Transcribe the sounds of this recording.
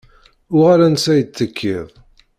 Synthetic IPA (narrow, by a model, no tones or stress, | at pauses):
ʊʁaɾænsæjət͡sːəkʰːiðˤ